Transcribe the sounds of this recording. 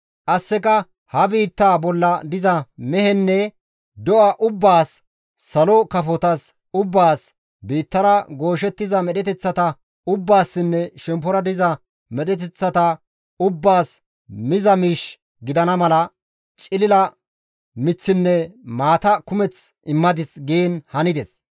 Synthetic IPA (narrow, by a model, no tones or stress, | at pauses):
kɐsːɛkɐ | hɐbiːt̪ːaːbɔlːɐd̪ɪzɐmɛhɛnːɛ | d̪ɔʔɐʔʊbːaːsː | ɐlɔkɐfɔt̪ɐs | ʊbːaːs | biːt̪ːɐɾɐɡo̞ːʃ̬ɛt̪ːɪzɐmɛɗɛt̪ɛt͡sːɐt̪ɐ | ʊbːaːsːɪnːɛʃɛmpɔɾɐd̪ɪzɐ | mɛɗɛt̪̬ɛt͡sːɐt̪ɐ | ʊbːaːs | mɪzɐmiːʃ | ɡɪd̪ɐnɐmɐlɐ | t͡ʃʼɪlɪlɐ | mɪt͡sːɪnːɛmaːt̪ɐkʊmɛt͡s | ɪmːɐd̪ɪsɡeːnhɐnɪd̪ɛs